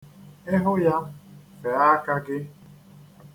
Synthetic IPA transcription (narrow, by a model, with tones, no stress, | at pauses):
e˦ɦʊ˦ja˦ | fe˨a˦ka˦ɡɪ˦